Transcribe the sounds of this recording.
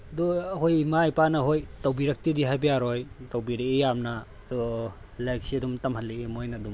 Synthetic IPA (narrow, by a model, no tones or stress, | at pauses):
dɔhojmajpanɐɦojtawbiɾɐk̚tidiɦajbɐjaɾɔjtawbiɾeejamnɐ | dɔ | lajk̚siɐdumtɐmhalːeemojnɐdum